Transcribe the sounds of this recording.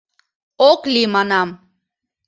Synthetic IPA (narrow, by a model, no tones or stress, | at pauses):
oklimanam